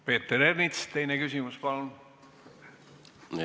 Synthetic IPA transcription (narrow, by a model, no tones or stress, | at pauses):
pe̞ːt̪ːeɾernit̪st̪e̞jnekysʲimuspɑlun